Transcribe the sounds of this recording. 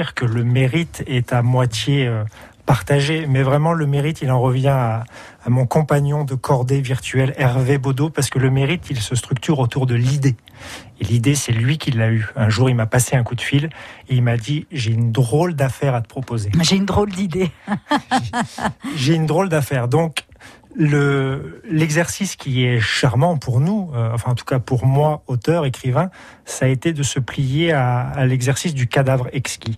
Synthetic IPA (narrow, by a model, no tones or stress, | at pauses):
ʁkələmeʁit̪ʰɛt̪amwat̪jeøpaʁt̪aʒemɛvʁɛmɑ̃ləmeʁit̪ilɑ̃ʁəvjɛ̃aː | mɔ̃kɔ̃paɲjɔ̃d̪əkʰɔʁd̪eviʁt̪ɥɛlɛʁvebod̪opaʁsə̥kələmeʁit̪ilsəst̪χyk̚t̪yʁot̪uʁd̪əlid̪e | elid̪esɛlɥikʲilːayɛ̃ʒuʁilmapaseɛ̃kud̪fileilmad̪iʒeynd̪ʁold̪afɛʁat̪ə̥pχɔpozemɛʒeynd̪ʁold̪id̪e | ʒeynd̪ʁold̪afɛːʁd̪ɔ̃k | lə | lɛɡzɛʁsiskʲiɛʃaʁmɑ̃puʁnuøɑ̃fɛ̃ɑ̃t̪ʰu̥kapuʁmwaot̪œʁekχivɛ̃ | saet̪ed̪əsəplijeaːlɛɡzɛʁsis̬d̪ykad̪avʁɛkskʲi